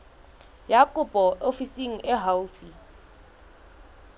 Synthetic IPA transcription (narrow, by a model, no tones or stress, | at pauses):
jakʼʊpɔʔofisiŋ̩ʔɪɦaufi